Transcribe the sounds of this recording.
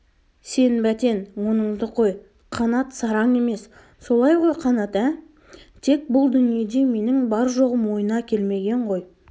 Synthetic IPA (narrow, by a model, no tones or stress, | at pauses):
se̞nbæt̪e̞nwo̞nəɴzd̪əqʰo̞j | qʰɑnɑt̪sɑɾɑŋe̞me̞s | so̞lˠɑjʁo̞jqʰɑnɑt̪æ | t̪ʰe̞k̚bʊlˠd̪ʏnije̞d̪e̞me̞nɪŋbɑɾʒo̞ʁəmwo̞jənɑkʲʰe̞lme̞ɡʲe̞ɴʁo̞j